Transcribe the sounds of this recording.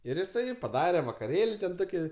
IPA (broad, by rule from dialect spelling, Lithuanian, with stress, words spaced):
ɪr jɪˈsɐɪ pɐˈdɑːrʲɛ ʋɐkɐˈrʲeːlʲ ˈtoːkʲɪ